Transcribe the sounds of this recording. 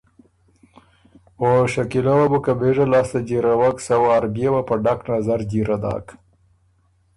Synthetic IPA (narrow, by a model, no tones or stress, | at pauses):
oʃakilawabukabeʐalɑst̪ad͡ʒiɾawaksawːɾbjewapəɖaknazaɾd͡ʒiɾad̪ɑ̰k